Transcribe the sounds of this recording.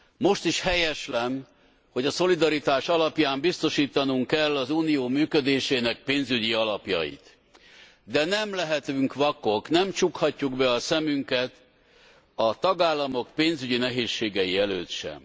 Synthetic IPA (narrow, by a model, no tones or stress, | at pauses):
mo̞ʃt̪iʃhɛjɛʃlɛn | ho̞ɟɒso̞lid̪ɒɾit̪aːʃɒlɒpjaːmbist̪o̞ʃiːt̪ɒnuŋkɛlːɒzuːnijoːmyːkød̪eːʃeːnɛk̚peːnzyɟiɒlɒpjɒ̰jḭt̪ | d̪ɛnɛmlɛɦɛt̪yŋkʋɒko̞knɛmt͡ʃukhɒcːuɡbɛɒsɛmyŋkɛt̪ | ɒt̪ɒɡaːlːɒmo̞kpeːnzyɟinɛɦeːʃːeːɡɛjiɛløːt̪ʃɛ̰m